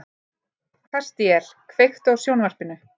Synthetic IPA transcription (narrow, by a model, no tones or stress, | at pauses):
kʰḁst̪jɛɾ̥kʰvejxt̪ɔɣsjownvar̥pɪnʏ